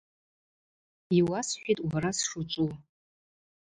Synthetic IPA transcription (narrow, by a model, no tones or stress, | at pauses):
iwasħʷᶣitʼwaɾasʂut͡ʃʷʼu